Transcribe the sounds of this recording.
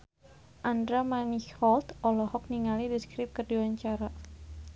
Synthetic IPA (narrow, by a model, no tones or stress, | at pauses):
ʔandɾamaniɔlt̪ɔlɔhɔk̚niŋalidiskɾɪp̚kərdiwaɲt͡ʃaɾa